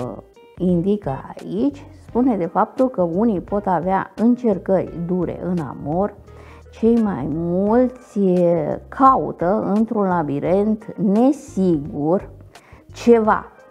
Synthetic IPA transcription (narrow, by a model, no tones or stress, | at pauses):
ind̪ikəa̰it͡ʃʲspune̞d̪e̞fap̚t̪ulkəunipo̞t̪avea̰ɨnt͡ʃe̞rkərʲd̪uɾe̞̰ʔɨna̰mor | t͡ʃe̞jma̰jmult̪sʲ | kʰaṵt̪əɨnt̪ɾunlabiɾe̞nt̪ne̞siɡur | t͡ʃe̞va̰